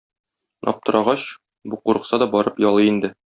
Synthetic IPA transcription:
nɒ̰p̚t̪ɤ̆ɾʔɑʁɑɕ | buquɾɤ̆qsɑd̪ɒbɒɾɤpjɒlˠɤind̪ɘ

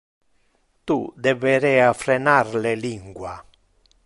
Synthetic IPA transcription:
t̪ud̪eveɾɛafɾenarleliŋɡwa

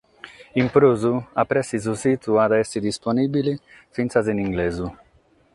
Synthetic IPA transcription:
impɾuzuapɾɛsiz̬usit̪uad̪aɛsid̪isponibili | finsaziniŋɡlezu

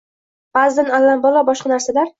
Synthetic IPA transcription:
b̥azd̪analːanbɒlˠɒbɒʃqɑnaɾsalaɾ

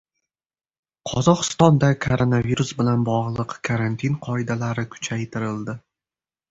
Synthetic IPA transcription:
qʰɒzɒqɨ̥st̪ɒnd̪akʰoɾonaviɾusbɪlanbɒʁlˠɨqkʰaɾant̪ʰinqʰɒɪd̪alaɾɪkʰʊ̥t͡ʃʰajt̪ʰɪɾɪld̪ɪ

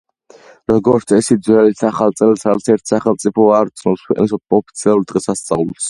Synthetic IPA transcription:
ɾɔɡɔɾt̪sʰɛsid̪zwɛlisaχalˠt̪sʼɛlˠsat̪sʰɛɾt̪ʰsaχɛlˠt̪sʼipʰɔaɾt̪sʰnɔpskʰwɛqʼnisɔɔpʰi̥t̪sʰialˠuɾd̪ʁɛsast̪sʼa̰vlˠs

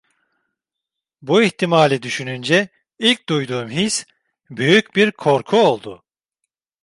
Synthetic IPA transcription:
buiçt̪ʰimaːlʲid̪yʃynynd͡ʒɛ | ilʲc̚d̪ujd̪uːmɦis | byjycbiɾkʰo̞ɾkʰuo̞lˠd̪ʊ

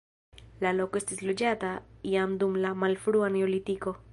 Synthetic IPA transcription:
lalokoesd̪ezlud͡ʒat̪aiamd̪umlamalfɾuaneolit̪iko

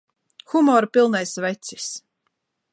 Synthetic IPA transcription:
xumɔːɾpilˠnajsvɛt̪si̥s

